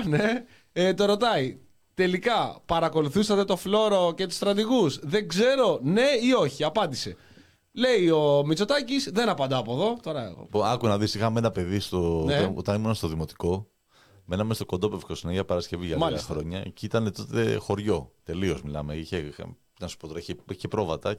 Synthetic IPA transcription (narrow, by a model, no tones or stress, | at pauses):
ne | et̪o̞ɾo̞t̪ɐi | t̪e̞likɐpɐɾɐko̞luθusɐt̪e̞t̪o̞flo̞ɾo̞ce̞t̪u̥st̪ɾɐt̪iɣusðe̞ɡze̞ɾo̞ne̞io̞çiɐpɐnd̪ise̞ | le̞io̞mit͡so̞t̪ɐcisðe̞nɐpɐnd̪ɐːpoðo̞t̪o̞ɾɐionɐkunɐðisixɐme̞nɐpe̞ðist̪oɐot̪ɐnimunɐst̪oðimo̞t̪i̥ko̞ | me̞nɐmest̪oko̞nd̪o̞pefkosinɐixɐpɐɾɐsce̞vizʝɐmɐxɾo̞ɲɐcit̪ɐne̞t̪o̞t̪ḛxo̞ɾʝo̞t̪e̞lio̞zmilɐ̰meiçḛ | nɐsu̥pot̪oɾɐiçeiçepɾo̞vɐt̪ɐ